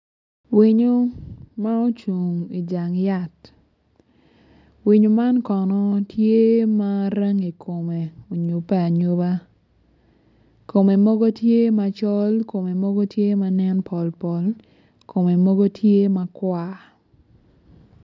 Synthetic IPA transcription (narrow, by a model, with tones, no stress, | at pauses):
wi˨ɲo˦ma˦o˦t͡ʃu˨ŋi˨d͡ʒa˨ŋja˦t | wi˨ɲo˨ma˦nkɔ˨nɔ˦tʰje˦ma˦ɾe˦ŋi˨kʰo˨me˨o˨ɲo˨pɛ˦a˨ɲo˦ba˦ | ko˨me˨mɔ˦ɡo˦tje˦ma˨t͡ʃɔ˦lko˨me˨mɔ˦ɡo˦tje˦ma˦nɛ˦npʰɔ˨lpɔ˨l | kʰo˨me˨mɔ˦ɡo˦tʰje˦ma˨kwa˦